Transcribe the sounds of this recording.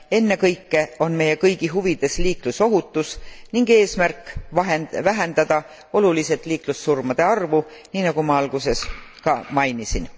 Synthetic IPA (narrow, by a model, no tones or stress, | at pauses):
e̞nːe̞kɤjkːe̞o̞nme̞je̞kɤjɡ̥iɦuvid̪̥e̞sliːkluso̞ɦut̪ːˑusniŋɡe̞ːsmærkːˑɑɦevæɦend̪̥ɑd̪̥ɑ | o̞luliset̪ːˑliːklusːurmɑd̪̥e̞ɑrvu | niːnɑɡ̥umɑɑlɡ̥use̞skɑmɑjnisin